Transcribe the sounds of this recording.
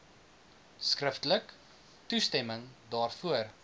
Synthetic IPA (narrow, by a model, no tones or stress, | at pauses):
skrəftələk | tustɛməŋdɑːrfuər